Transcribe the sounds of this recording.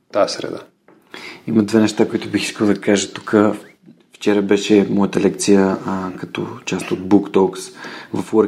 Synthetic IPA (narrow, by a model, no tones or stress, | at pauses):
t̪aɛsɾɛ̰d̪a̰ | iməd̪vɛnɛʃt̪akoit̪ʊbixi̥skəlˠd̪ɐkaʒət̪u̥kʰə | ft͡ʃɛɾəbɛʃɛmɔjət̪əlɛk̚t̪sijəkɐt̪ɔ̰t͡ʃast̪od̪̚bukt̪ɔksvɐfɾ